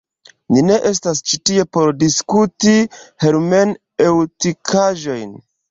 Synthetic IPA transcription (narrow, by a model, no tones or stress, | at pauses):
nine̞ʔe̞s̬tast͡ʃitie̞po̞ɾdiskutiheɾme̞n | ewtikʰaʒo̞jn